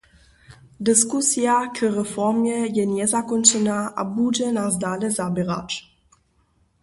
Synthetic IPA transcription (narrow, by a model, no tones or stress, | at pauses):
d̪əskusjakʰərəfɔʁmjəjɛnɛzakont͡sonaa̰bud͡ʒənazd̪aləzabəʁa̰t͡ʃ